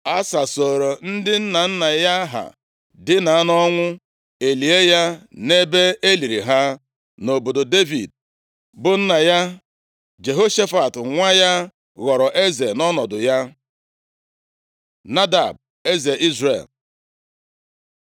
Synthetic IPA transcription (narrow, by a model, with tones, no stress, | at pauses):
a˦sa˨so˨ɾo˨n̩˦dɪ˦n̩˦na˨n̩˦na˨ja˦ɦa̰˨ | dɪ˦na˨a˦nɔ˦ŋʷʊ˦ | e˨li˨e˦ja˦ne˦be˦e˦li˨ɾi˨ɦa˦ | no˨bo˨do˨de˦vḭ˨d̚ | bʊ˨n̩˦na˨ja˦ | d͡ʒe˨ɦo˦ʃe˦fa˨tŋʷa˦ja˦ | ɣɔ˨ɾɔ˨ʔe˦ze˨nɔ˦nɔ˨dʊ˨ja˦ | na˦da˨b̚ | e˦ze˨ʔi˦zɾḛ˨l